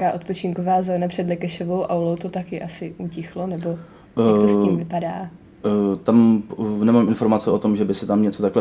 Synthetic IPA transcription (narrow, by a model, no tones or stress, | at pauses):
kaːʔo̞t̪po̞t͡ʃɪŋkovaːzoːnapr̥ɛdlɛkaʃovowʔawlowt̪o̞t̪akɪʔasɪʔuːcɪxlo̞nɛbo̞ | akt̪osiːmvɪpadaː | t̪amnɛmaːmɪnfo̞ɾmat͡sɛʔot̪omʒɛbɪsɪt̪amɲɛt͡sot̪aklɛ